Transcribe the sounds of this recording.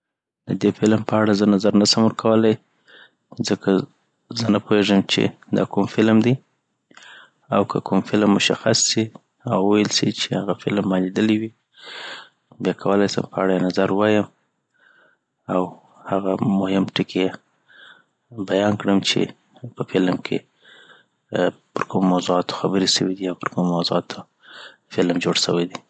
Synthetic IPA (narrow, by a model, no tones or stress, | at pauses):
d̪̥əd̪efɪlmpəaɽazənazaɾnasəmwəɾkʰawəlaj | zəkʰa | zənapoheʐəmt͡ʃḛd̪ɑ̰kumfɪlmd̪i | awkʰəkʰʊmfɪlmːʊʃa̰xasːi | awwajəlsḭt͡ʃehaɣafɪlmːɑned̪əliwi | bjɑkʰawəlajsə̰mpəaɽajenazaɾwɑjəm | aw | haɣamʊhɪmʈɪkʰeje | bajɑnkɽəmt͡ʃḛ | pəfɪlmkʰḛ | pəɾkʊmomawzuɑt̪o̥xabəɾeʃəwid̪iawpəɾkʊmmawzuɑt̪ʰo | fɪlmd͡ʒoɽʃə̰wajd̪i